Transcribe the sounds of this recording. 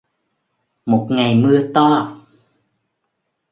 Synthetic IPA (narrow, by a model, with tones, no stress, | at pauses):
mo˨˩t̚ŋa˨˩jmɨ˧ət̪ɔ˧˩